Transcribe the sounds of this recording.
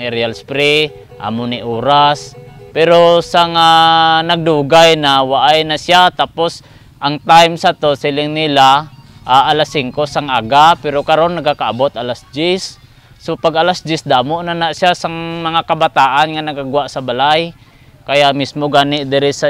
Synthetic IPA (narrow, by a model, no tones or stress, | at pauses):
ŋɛɾialspɾi | ʔa̰moniʔoːɾaspɛɾosaŋanaɡ̚d̪uːɡajnawaʔajnasjat̪aːpos | ʔaŋt̪ajmsat̪osɪlɪŋnɪlaʔaʔalasiŋkosaŋʔaɡapɛɾokaɾonːaɡakaʔabot̪ʔalasd͡ʒɪsː | opaɡalasd͡ʒɪsd̪amoʔnanaʔsjasaŋmɐŋakabat̪aːʔanŋanɐɡaɡwaʔsabalaj | kajaʔmismoɡaːnɪʔd̪ɪɾɪsa